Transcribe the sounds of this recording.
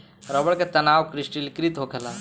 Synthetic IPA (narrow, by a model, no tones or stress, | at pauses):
ɾəbəɭket̪ənaʋkɾisʈilkɾit̪ɦokʰela